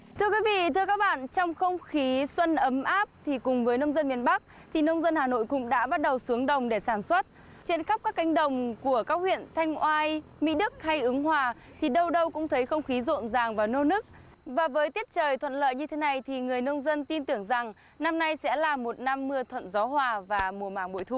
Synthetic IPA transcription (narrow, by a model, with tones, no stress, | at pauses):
t̪ʰɨ˧əkwi˨˦vḭ˧˨t̪ʰɨ˧əkaː˦˥k̚ɓa̰ː˧˨nt͡ɕɔ˧wŋ͡mxə˧wŋ͡mxi˨˦swə˧nʔə˨˦mʔaː˦˥p̚t̪ʰi˨˩kʊ˨˩ŋ͡mvəː˨˦jnə˧wŋ͡mzə˧nmi˧ənɓa˦˥k̚ | t̪ʰi˨˩nə˧wŋ͡mzə˧nhaː˨˩no̰˧˨jkʊ̰˧˥ŋ͡mɗa̰ː˧˥ɓa˦˥t̚ɗə˨˩wsu˨˦əŋɗə˨˩wŋ͡mɗe˧˩saː˧˩nswə˦˥t̚ | t͡ɕe˧nxa˦˥k͡p̚kaː˦˥kːa˨˦jŋ̟ɗə˨˩wŋ͡mku˧˩əkaː˦˥k̚hwḭ˧˨ənt̪ʰa˧jŋ̟ʔwaː˧jmḭ˧˥ɗɨ˦˥k̚ha˧jʔɨ˨˦ŋɦwaː˨˩t̪ʰi˨˩ɗə˧wɗə˧wkʊ̰˧˥ŋ͡mt̪ʰə˨˦jxə˧wŋ͡mxi˨˦zo̰˧˨nzaː˨˩ŋvaː˨˩wno˧nɨ˦˥k̚ | vaː˨˩vəː˨˦jt̪i˦˥ət̚t͡ɕəː˨˩jt̪ʰə̰˧˨nlə̰ː˧˨jɲɨ˧t̪ʰe˨˦na˧jt̪ʰi˨˩ŋɨ˨˩əjnə˧wŋ͡mzə˧nt̪i˧nt̪ɨ˧˩əŋza˨˩ŋ | na˧mna˧jsɛ̰˧˥laː˨˩mo˨˩t̚na˧mːɨ˧ət̪ʰwə̰˧˨nzɔ˨˦hwaː˨˩vaː˨˩mu˨˩əmaː˧˩ŋɓo̰˧˨jt̪ʰu˨˧˩